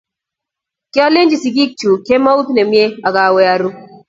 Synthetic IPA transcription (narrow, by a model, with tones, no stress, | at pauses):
ki˦a˦le˦nd͡ʒi˨si˨ɡi˦k̚t͡ʃu˨ke˦ma˦u˦tne˨mi˦e˦a˨ɡa˨wo˦ja˦ɾu˦